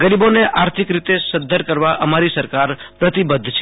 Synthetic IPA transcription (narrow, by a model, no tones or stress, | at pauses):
ɡəɾiboneʔaɾt̪ʰikɾit̪esəd̪ʱːəɾkəɾʋaʔəmaɾisəɾkaɾpɾət̪ibəd̪ʱːt͡ʃʰ